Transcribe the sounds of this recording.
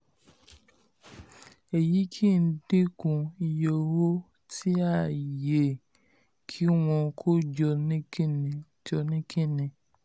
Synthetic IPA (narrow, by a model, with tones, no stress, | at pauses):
e˨ji˨˦kʰi˦˨n̩˦de˦kũ˧i˧jo˦˧wo˦ | tʰi˦a˦˨je˨ | kʰi˦w̃ɔ̃˧kʰo˦d͡ʒɔ˧nĩ˦kĩ˦nĩ˨ | d͡ʒɔ˧nĩ˦kʰĩ˦˨nĩ˧